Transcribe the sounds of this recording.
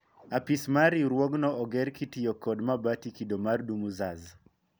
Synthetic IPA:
apismaɾiɾwɔɡnɔʔɔɡɛɾkitijɔkɔdmabatikidomardumuzaz

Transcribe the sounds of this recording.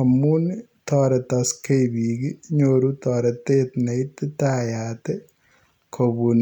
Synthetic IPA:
ɐmːunt̪ɔːɾɐt̪ɐskejbiːɡiɲoɾut̪ɔːɾɐt̪et̪nɐjt̪ːit̪aːjaːt̪e | kʰobun

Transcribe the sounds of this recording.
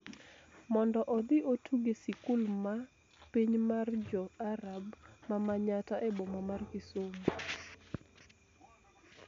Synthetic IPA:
mɔndɔʔɔd̪ɪʔotʰuɡesikʊlma | piɲmard͡ʒɔaɾabmamaɲataʔɛbɔmamarkɪsomo

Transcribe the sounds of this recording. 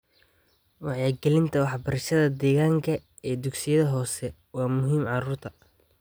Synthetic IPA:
wɑħjaːɡɛlɪnt̪ʰɐwɑħbɐɾɐʃɐðɐd̪ɛːɣaːŋkʰɐ | ɛːd̪ʊɡsɪjɐðɐɦɔːsɛ | wɑːmʊɦiːmʕɑɾuːrt̪ʰɐ

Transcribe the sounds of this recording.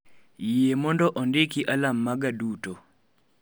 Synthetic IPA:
jemɔndɔʔɔndɪkiʔalamːaɡaduto

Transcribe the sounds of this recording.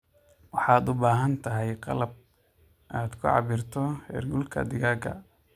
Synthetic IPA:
wɑħɑːd̪ʊbaːɦɐnt̪ʰɐɦɛjqɑ̰lɐb̚ | ʔaːd̪kʰʊʕɑ̰βɪrt̪ʰɔhɛ̰ːrɡʊlkʰɐ̰d̪ɪɣaːɡɐ̰

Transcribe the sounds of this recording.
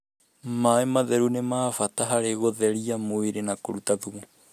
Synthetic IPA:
maemaðɛɾunemaːfataɦaɾeɣoðɛɾiamoiɾenakoɾutaðuu

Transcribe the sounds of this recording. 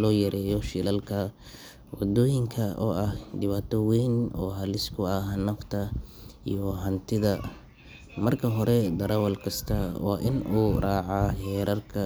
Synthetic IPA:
lɔːjɐɾɛːjɔʃɪlɐlkʰɐ | wɑd̪ɔːjɪŋkʰɐɔ̰ːʔɐhd̪ɪβaːt̪ʰɔwɛːnɔːɦɐlɪskʰʊɐhnɐft̪ʰɐ | ḭjɔɦɐnt̪ʰɪðɐ | mɐrkʰɐɦɔɾɛd̪ɐɾɐwɐlkʰɐst̪ʰɐwɑ̰ːʔɪnuːraːʕaːhɛːɾɐrkʰɐ

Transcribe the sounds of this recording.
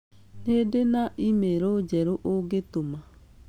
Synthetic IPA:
nedenaʔimeɾod͡ʑɛɾoʔoɡetoma

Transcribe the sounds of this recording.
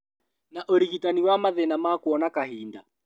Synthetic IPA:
naʔɔɾiɣitaniwamaðɛnamakuɔnakaɦinda

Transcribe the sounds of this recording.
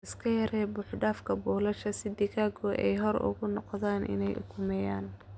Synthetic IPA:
ɪskʰɐjɐɾɛːbʊːħɖaːfkʰɐbɔːlɐʃɐsɪd̪ɪɣaːɡɔɛ̰jɦɔɾʔʊ̰ɣʊnɔqðaːnʔɪ̰nɛjʔʊ̰kʰʊmɛːjaːn

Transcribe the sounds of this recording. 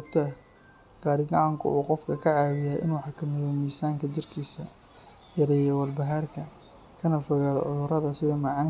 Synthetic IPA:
ɔɡt̪ʰɐ | ɡ̥aːɾɪɡɑʕɑŋkʰʊ̰ʔuːqɔfkʰɐkʰɐʕɑːwɪjajʔɪ̰nwɑħɑkʰɐmɪðɔmiːsaːŋkʰɐt͡ʃɪrkʰiːsɐ | jɐɾɛːjɛwɐrbɐɦaːrkʰɐ | kʰɐnɐfɔɣaːðɔ̰ʕʊðʊɾɐðɐsɪðɐmɐʕɑː

